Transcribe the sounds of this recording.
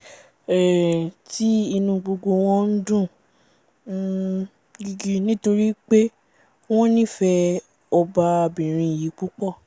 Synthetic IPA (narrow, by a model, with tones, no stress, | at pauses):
ɛ˨ti˦i˧nũ˧ɡ͡bo˧ɡo˧w̃ɔ̃˦n̩˦dũ˦˨˦ | ɡi˧ɡi˧nĩ˦to˧ɾi˦k͡pe˦ | w̃ɔ̃˦nĩ˦˨fɛ˧ | ɔ˧ba˧bĩ˨ɾ̃ĩ˧i˨ji˨˦k͡pu˦k͡pɔ˦˨